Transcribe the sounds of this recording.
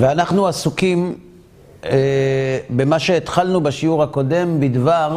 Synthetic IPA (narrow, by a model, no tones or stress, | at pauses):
veanaχnuasukim | ebemaʃe̞ːt̪χalnubaʃiuʁhako̞de̞mbid̪vaʁ